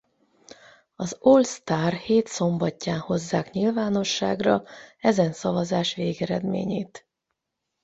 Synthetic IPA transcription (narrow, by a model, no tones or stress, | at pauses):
ɒzolst̪aːrheːt̪so̞mbɒcːaːnho̞zːaːkɲilvaːno̞ʃːaːɡrɒɛzɛnsɒvɒzaːʃʋeːɡɛɾɛd̪mḛːɲeːt̪